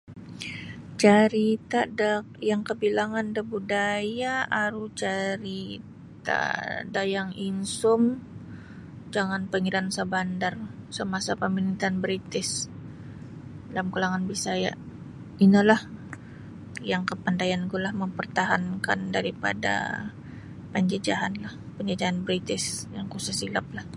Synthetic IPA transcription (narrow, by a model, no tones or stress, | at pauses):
t͡ʃaɾit̪adakjaŋkəbilaŋandəbudajaaɾut͡ʃaɾi | tt̪a̰dajaŋinsʊm | d͡ʒaŋanpəŋiɾansəbandarsəmasapəminit̪anbəɾit̪ɪs | lamkulaŋanbisaja̰ | inəlah | jaŋkəpandajanɡulahməmpərt̪aɦankandaɾipa̰da̰ | pəɲd͡ʒəd͡ʒaɦanlah | pəɲd͡ʒəd͡ʒaɦanbəɾit̪ɪsjaŋkusasilap̚lah